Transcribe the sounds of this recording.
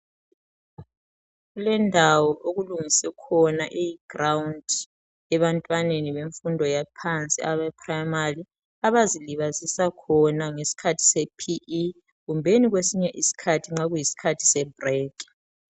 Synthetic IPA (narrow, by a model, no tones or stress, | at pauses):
ɣulɛndʱawɔʔoɣuluŋisɛkʰɔnaʔejiɡ̥rawund | ɛβantʼwaneniβeɱfundʱɔjapʰant͡sʼḭaβɛpʰrajmari | aβaziliβazisakʰɔnaŋesi̥kʰatʰi̥sɛpʰiʔː | ɣumbʱeniɣwesiɲɛʔisi̥kʰatʰiŋ͡ǁaɣujisi̥kʰatʰi̥sɛbrɛːkʼ